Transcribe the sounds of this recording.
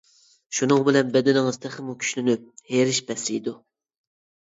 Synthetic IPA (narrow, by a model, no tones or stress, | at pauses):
ʃunɨŋbɪlɛnbɛd̪ɪnɪŋɨz̥t̪ʰæχɪmukʲʰy̥ʃlynyp̚heɾɪʃbɛsḭjd̪u